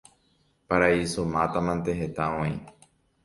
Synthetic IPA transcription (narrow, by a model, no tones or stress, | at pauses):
paɾaisomãt̪amãnt̪eɦet̪aõĩ